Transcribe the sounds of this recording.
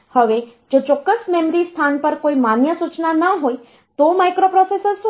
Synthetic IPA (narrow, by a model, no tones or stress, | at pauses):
həʋed͡ʒot͡ʃɔkːəsmɛmɾist̪ʰanpəɾkoimanjəsut͡ʃnanəɦoj | t̪omajkɾopɾɔsesəɾs